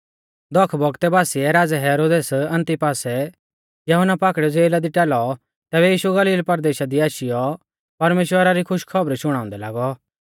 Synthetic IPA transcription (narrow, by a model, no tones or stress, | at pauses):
d̪ɔkʰbʱɔɡt̪ɛbaːsiɛɾaːd͡zaɦɛːɾoːd̪eːsɐ̃nt̪ipaːsɛ | jɐɦənːapaːkɽjɔd͡zeːlad̪iʈɛːlɔ | t̪ɛːbɛjiːʃuɡɐliːlpɐɾd̪eːʃad̪iaːʃɪjɔ | pɐɾmeːʃwəɾaɾikʰʊʃkʰɐbɾʃʊɽ̃ãːʊ̃nd̪ɛla̰ːɡɔ